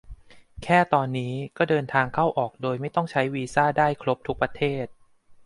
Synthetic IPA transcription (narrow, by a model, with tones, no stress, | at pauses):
kʰɛː˥˩t̪ɔː˧nːiː˦˥kɔː˥˩dɤː˧nt̪ʰaː˧ŋkʰa˥˩wʔɔː˨˩k̚doː˧jma˥˩jt̪ɔ˥˩ŋt͡ɕʰa˦˥jwiː˧saː˥˩daː˥˩jkʰlo˦˥p̚t̪ʰu˦˥k̚pɾa˧t̪ʰeː˥˩t̪̚